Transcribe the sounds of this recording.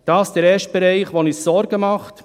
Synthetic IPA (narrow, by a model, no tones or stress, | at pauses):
d̥ɑːsd̥ɛɾɛːʃt̚b̥ɛɾɛɪχʋonɪssɔɾɡəmɑχt